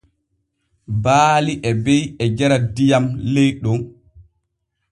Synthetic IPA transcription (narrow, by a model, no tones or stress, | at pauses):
baːliʔɛbɛjɛd͡ʒɛɾadijamlejɗɔn